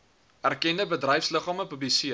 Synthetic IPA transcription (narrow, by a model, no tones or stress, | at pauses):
ærkɛndəbədrɛjfsləχɑːməpʉblisiə